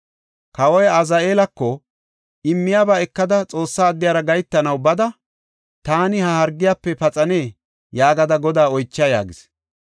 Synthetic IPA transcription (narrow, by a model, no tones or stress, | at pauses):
kɐwɔjɐzɐeːlɐkːɔ | ʔɪmːɪjaːbɐɛkːɐd̪ɐt͡sʼo̞ːsːaːd̪ːɪjaːɾɐɡɐjt̪ːɐnɐwbɐd̪ɐ | t̪aːnɪhɐhɐɾɡːɪjaːpːɛpɐt͡sʼɐne̞ː | jaːɡɐd̪ɐɡɔd̪aːɔjt͡ʃːɐja̰ːɡɪs